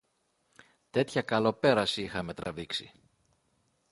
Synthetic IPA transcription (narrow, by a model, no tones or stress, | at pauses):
t̪e̞t̪çɐkɐlo̞pe̞ɾɐsiixɐme̞t̪ɾɐviksḭ